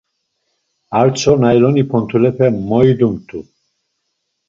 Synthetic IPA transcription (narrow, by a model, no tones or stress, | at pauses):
aɾt͡ʃʰɔnajlɔnipʰɔnt̪ʰulɛpʰɛmɔjd̪umt̪ʰʼu